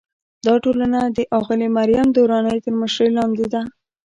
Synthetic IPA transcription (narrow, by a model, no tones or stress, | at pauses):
d̪ɑʈolanad̪əʔɑɣɪlimaɾijamd̪oɾɑnəjt̪əɾməʃɾəjlɑnd̪ed̪a